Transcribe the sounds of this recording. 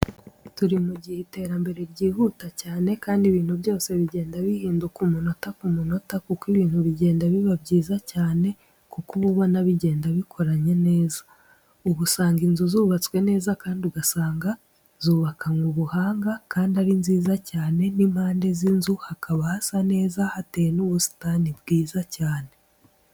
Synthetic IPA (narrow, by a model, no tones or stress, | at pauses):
tuɾimuɟihete̞ːɾambe̞ɾeɾɟiːhuːtacaːne̞kaːndiβiːn̥hubjo̞ːse̞βiɟe̞ːndaβihiːndukumuno̞takumuno̞takukiβiːnhuβiɟe̞ːndaβiβabɟiːzacaːne̞ | kukuβuβo̞naβiɟe̞ːndaβikʰo̞ɾaɲe̞ne̞ːza | uβusaːŋɡinzuzuːβat͡skwe̞ne̞ːzakaːndiuɡasaːŋɡa | zuːβakʰaŋɡuβuhaːŋɡakaːndiaɾinziːzacaːne̞nimhaːnde̞zinzuhakaβahasane̞ːzahatejenuβusi̥tanibɡiːzacaːne̞